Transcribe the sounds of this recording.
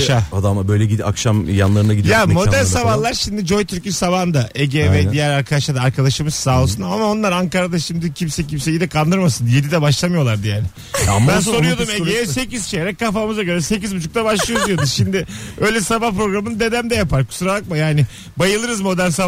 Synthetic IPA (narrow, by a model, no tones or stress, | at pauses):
ʃaad̪amabø̞jlʲɛɟia̰kʃamja̰nlˠaɾɯnaɡid̪jamo̞ænsabvahlˠaɾʃimd̪id͡ʒo̞jt̪ʰyɾcisaβand̪aʔeɟeːvɛd̪ijæɾaɾkʰad̪aʃlˠaɾd̪aaɾkʰad̪aʃɯmɯssaːlˠsunamao̞nlˠaɾaŋkaɾad̪aʃimd̪icʰimsɛcʰimsɛjid̪ɛkʰand̪ɯɾmasɯnje̞d̪id̪ɛbaʃlˠamɯjo̞lˠaɾd̪ɯjaːnɪ | ambænso̞ujo̞d̪umeeːvɛse̞ciz̥t͡ʃejeɾɛc̚kːafamɯzaɡølʲɛse̞cizbut͡ʃʰu̥kt̪abaʃlˠɯjod̪jod̪uʃimd̪ɪø̞jlʲɛsabahpɾo̞ɡɾamɯnd̪e̞d̪æmd̪ɛjapaɾkʰu̥suɾabˠak̚majaːnɪ | bajɯlˠɯɾɯzmo̞d̪ænsa